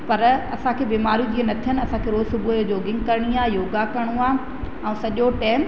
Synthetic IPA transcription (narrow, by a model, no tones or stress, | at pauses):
pɐɾɐsãkʰeːbiːmaːɾijũd͡ʑiːenɐt̪ʰijən̆ɐsãkʰeːɾoːzsʊbʱujod͡ʑoːɡɪ̃ŋɡ̚kɐɾɽ̃iaːjoːɡakɐɽ̃ũaː | ɛ̃ũːsɐʄoʈɛːm